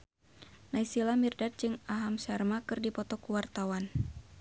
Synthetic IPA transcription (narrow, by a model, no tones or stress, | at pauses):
naisilamirdat̪̚d͡ʒɨŋaɦamsarmakɨrdipɔt̪ɔkuwart̪awan